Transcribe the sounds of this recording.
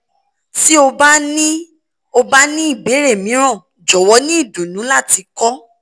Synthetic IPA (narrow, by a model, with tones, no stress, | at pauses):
ti˦o˧ba˦nĩ˦ | o˧ba˦nĩ˦i˦˨be˨˦ɾe˦˨mĩ˨˦ɾ̃ɔ̃˦˨ | d͡ʒɔ˨wɔ˨˧˦nĩ˦i˦˨du˨nũ˨˦la˦˨ti˧kɔ˦